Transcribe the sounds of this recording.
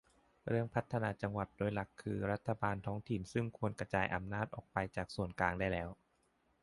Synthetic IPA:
ɾɯ˥˩əŋpʰa˦˥t̪ʰːa˧naː˧t͡ɕa˧ŋwa˨˩t̪̚doː˧jla˨˩kʰːɯː˧ɾa˦˥t̪ʰːa˧baː˧nt̪ʰɔː˦˥ŋt̪ʰi˨˩nsɯ˥˩ŋkʰu˧ənkɾa˧t͡ɕaː˧jʔa̰˧mnaː˥˩t̪̚ʔɔː˨˩k̚pa˧jt͡ɕaː˨˩k̚su˨˩ənklaː˧ŋdaː˥˩jlɛː˦˥w

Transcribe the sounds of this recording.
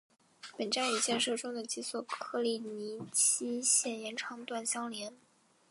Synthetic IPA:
pə˨˩nʈ͡ʂa˥˩ny˨˩t͡ɕjɛ˥˧nʂɤ˥˩ʈ͡ʂʊ˥ŋd̪ə˨t͡ɕi˧˥swɔ˨˩kʰɤ˥˧li˥˩ni˧˥t͡ɕʰi˥ɕjɛ˥˩njɛ˧˥nʈ͡ʂʰɑ˧˥ŋt̪wa˥˩nɕjɑ˥ŋljɛ˧˥n

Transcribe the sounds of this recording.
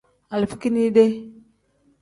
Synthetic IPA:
a˨lfi̥˦ki˦ni˦de˦

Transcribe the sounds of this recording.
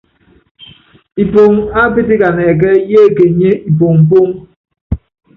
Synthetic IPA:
i˨po˨ŋa˦pe˦t̬i˦ka˨nɛ˨k̬ɛ˦je˦˨ke˨ɲe˦i˨p̬o˨ŋm̩˨p̬o˦ŋ

